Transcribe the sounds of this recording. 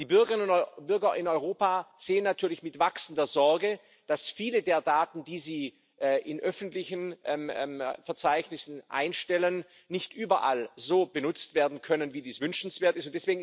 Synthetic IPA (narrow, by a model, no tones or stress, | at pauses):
d̥iːbʏɐɡəʁɪnənʊbʏɐɡɐʔɪnɔʏʁoːpaːz̥eːənːatʰyːɐlɪçmɪtv̥aksn̩dɐzɔɐɡə | d̥asfiːlədeːɐdaːtn̩diːziː | ʔɛʔɪnʔœfn̩tlɪçənʔɛmɛfɛɐt͡saɪçnɪsn̩ʔa̰ɪnʃtɛlənː | ɪçtʔyːbɐʔa̰lzoːbənʊt͡stv̥eːɐdn̩kʰœnənviːdiːsv̥ʏnʃn̩sv̥eːɐtɪstʊntd̥ɛsv̥eːɡŋ̩